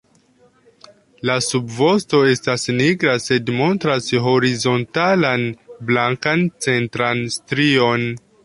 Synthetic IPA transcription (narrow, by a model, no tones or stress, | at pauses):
lasubvosto̞e̞stasniɡɾase̞dmo̞ntɾasɦo̞ɾizo̞ntalanblaŋkant͡se̞ntɾanstɾio̞n